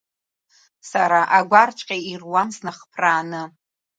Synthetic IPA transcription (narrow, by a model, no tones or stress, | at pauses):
saɾaʔaɡʷart͡ʃʷʼqʲʼeirwamsnɨχpʰraːnɨ